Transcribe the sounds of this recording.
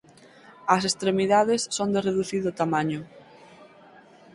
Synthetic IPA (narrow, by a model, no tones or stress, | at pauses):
ɐs̬est̪ɾemiðaðesːond̪ereðuθiðʊt̪amaɲʊ